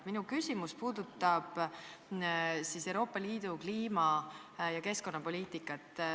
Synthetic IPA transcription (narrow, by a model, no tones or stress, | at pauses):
minukysimuspuːd̪̥ut̪ːˑɑb̥ | sisewɾo̞ːpːˑɑliːd̪̥ukliːmɑjɑke̞sko̞nːɑpo̞lʲiːt̪ˑikˑːɑt̪ːˑ